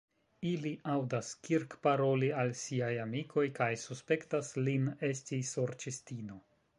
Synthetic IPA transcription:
iliʔawdaskiɾkpaɾo̞lialsiajamikʰo̞jkajsuspe̞ktasline̞stisoɾt͡ʃistino̞

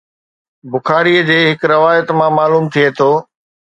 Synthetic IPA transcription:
bʊxaːɾiəd͡ʑeːɦɪkɾɐʋaːjət̪mãmaːluːmt̪ʰiet̪ʰoː

